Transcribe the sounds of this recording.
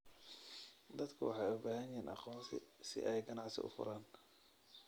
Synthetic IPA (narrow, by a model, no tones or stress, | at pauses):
d̪ɐd̪kʰʊwɑħɑjʊbaːɦɐnjɪɦiːnʔɑ̰qɔːnsʰɪ̰sɪ̰ʔɛjɡɐnɑʕsɪ̰ʔʊ̰fʊ̰ɾaːn